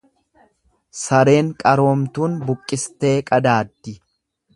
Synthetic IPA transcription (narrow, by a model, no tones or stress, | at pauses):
sɐɾe̞ːŋkʼɐɾo̞ːmt̪uːnbʊkʼːɪst̪e̞ːkʼɐd̪aːd̪ːɪ